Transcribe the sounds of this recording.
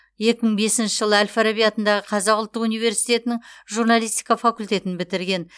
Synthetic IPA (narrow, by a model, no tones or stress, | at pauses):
je̞kʲɪmɪɴbe̞sɪnʃɪʒəlˠəælʲfaɾabijat̪ənd̪ɑʁəqʰɑzɑqʊlˠt̪ːəqunijve̞ɾsijt̪e̞t̪ɪnɪŋʒuɾnɑlijst̪ijkɑfakulʲt̪e̞t̪ɪnbɪt̪ɪɾɡʲe̞n